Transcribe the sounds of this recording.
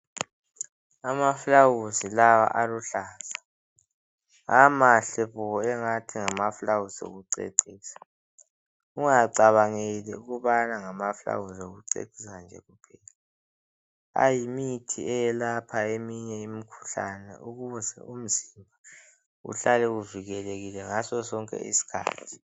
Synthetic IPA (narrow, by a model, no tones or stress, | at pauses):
amafulawuzilawa̰ʔaluɬaːz̥a | amaɬɛβɔɛŋatʰiŋamafulawuzo̰ɣuǀḛǀiːsḁ | uŋaǀaβaŋeliuɣuβanaŋamafla̰wuzoɣuǀḛǀʱisand͡ʒʱɛ̰ɣupʰɛːla | a̰jimitʰḭɛjɛlapʰaemiɲɛimikʰu̥ɬa̰nɛ̰ʔuɣuuzɛ̰um̩zimbʱa | ṵɬalɛuviɣɛleɣilɛŋasɔsɔŋkʼɛ̰ʔḭsi̥kʰa̰ːtʰi̥